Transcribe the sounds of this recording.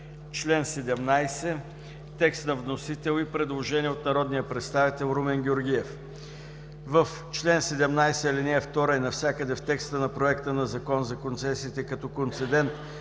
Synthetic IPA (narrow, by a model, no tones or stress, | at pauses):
t͡ʃlɛnsɛd̪ɛmnajsɛ | t̪ɛkst̪nɐvnosit̪ɛlˠipɾɛd̪lˠoʒɛniɛot̪nɐɾɔd̪nijəpɾɛt̪st̪avit̪ɛlˠɾumɛnɡʲioɾɡiɛf | vəf | t͡ʃlɛnsɛd̪ɛmnajsɛlinɛɛft̪ɔɾajnɐfsʲjakəd̪ɛft̪ɛkst̪ənɐpɾoɛkt̪ənɐzɐkɔnzɐkont̪sɛsiːt̪ɛkɐt̪ɔkont̪sɛd̪ɛnt̪